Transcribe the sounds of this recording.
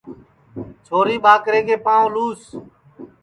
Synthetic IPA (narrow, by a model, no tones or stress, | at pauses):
t͡ʃʰoːɾiːɓaːkɾeːkeːpãːõluːs